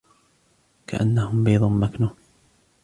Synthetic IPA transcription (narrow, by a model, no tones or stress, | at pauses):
ka̰ʔa̰nːahʊmbiːd̪ˤʊmːaknuː